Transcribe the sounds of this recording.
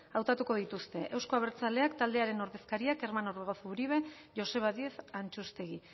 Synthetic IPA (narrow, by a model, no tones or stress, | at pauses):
awt̪at̪uko̞ð̞it̪ust̪e̞ʔe̞wsko̞aβe̞ɾt͡sale̞akt̪ald̪e̞aɾe̞no̞ɾðe̞skaɾiake̞ɾmanoreɣo̞θuɾiβ̞e̞ | ʝo̞se̞β̞aðie̞θant͡ʃust̪e̞ɣi